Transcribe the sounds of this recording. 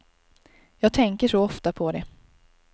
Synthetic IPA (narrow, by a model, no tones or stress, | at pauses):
jɑːɡ̚t̪ʰɛŋkəʂɔɔft̪apʰɔd̪ɛ